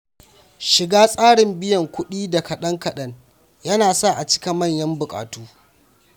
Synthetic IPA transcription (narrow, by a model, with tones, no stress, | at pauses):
ʃɪ˨ɡaː˦sʼaː˦ɽɪ˨mbɪ˦jɐ˨ŋkʷʊ˦ɗiː˦da˨kɐ˨ɗɐ˦ŋkɐ˨ɗɐ˦ŋ | jɐ˦naː˨sa˦˨ʔa˨t͡ʃɪ̥˦ka˨mɐ˦˨ɲjɐ˦mbʊ˨kʼa̰ː˨tuː˦